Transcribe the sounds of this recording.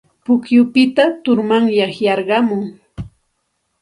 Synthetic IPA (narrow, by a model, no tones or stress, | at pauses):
pʊkjʊpɪt̪at̪ʊɾmaŋjɑχjɑɾɢɑmʊŋ